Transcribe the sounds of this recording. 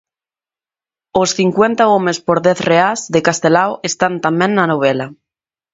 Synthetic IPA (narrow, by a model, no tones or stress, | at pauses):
osθiŋkwent̪aomespoɾðɛθreazðekast̪elawest̪ant̪amẽŋnanoβ̞ela